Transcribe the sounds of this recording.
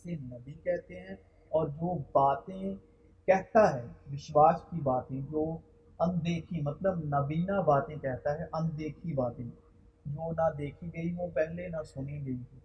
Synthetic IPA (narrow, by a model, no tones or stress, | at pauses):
senɐbʱikɛɦt̪eɦɛ̃ː | ɔːɾd͡ʒoːbaːt̪ẽ | kɛɦt̪aɦɛːʋɪʃwaːskibaːt̪ɦẽd͡ʒoː | ɐmd̪eːkʰĩmɐt̪ləbnɐbiːnabaːt̪ẽkɛɦt̪aɦɛʔɐmd̪eːkʰibaːt̪ẽː | d͡ʒoːnad̪eːkʰiɡɐiʋoːpɛɦlenasʊniɡɐiɦɛ̃ː